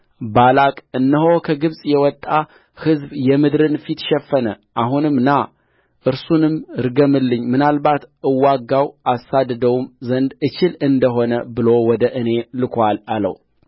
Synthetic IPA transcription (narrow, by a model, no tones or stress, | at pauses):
balakʼɨnːəhokʰəɡɨβsʼjɛwɔt̪ʼːa | hɨzbjɛmɨd̪ɾɨnfit̪ʃɛfːənə | ʔaɦunɨmna | ʔɨɾsunɨmɾɡəmɨlːɨɲːmɨnalbat̪ɨwːaɡawasad̪d̪əwumzənd̪ɨt͡ʃɪlɨnd̪əɦo̞nəbɨlo̞wɔd̪əʔɨne̞lɨkʰʷalalə̰w